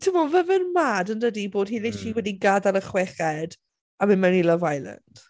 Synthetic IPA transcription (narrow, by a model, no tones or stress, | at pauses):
tʰɪvɔlˠvəvɪrmaːdəndədiboːdhiːðeʃiwɛdiɡadalˠəχwɛχɛd | amɪnmanilˠɔvajlˠə̰nd̥